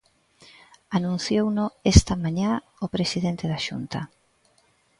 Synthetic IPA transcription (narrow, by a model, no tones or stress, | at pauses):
anũn̟θjownoest̪ɐmaɲã | opɾesiðent̪eðaʃṵnt̪ɐ